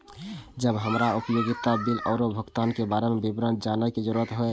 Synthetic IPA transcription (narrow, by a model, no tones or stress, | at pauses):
d͡ʒəbɦəmɾaupəjoɡit̪abilʔɔʊɾobʱəɡt̪ankebaɾemebibɾənd͡ʒanəked͡ʒəɾuɾət̪ɦoe